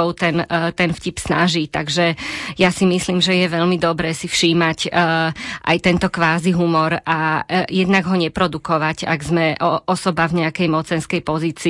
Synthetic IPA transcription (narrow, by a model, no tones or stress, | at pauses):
ɔʊt̪ɛnt̪ɛnfcipsna̰ʒit̪a̰ɡʒɛjasimisliːmʒɛjɛʋɛʎmid̪ɔbɾɛːsifʃiːmacː | ʔa̰jt̪ɛnt̪ɔkʋaːziɦumɔɾajɛd̪naɡɦɔɲɛpɾɔd̪ukɔʋaca̰ɡzmɛɔɔsɔbavɲɛakɛjmɔt͡sɛnskɛjpɔziːt͡siː